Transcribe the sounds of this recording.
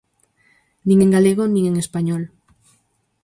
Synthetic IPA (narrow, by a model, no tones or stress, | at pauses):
nĩŋeŋɡaleɣonĩŋeŋespaɲɔl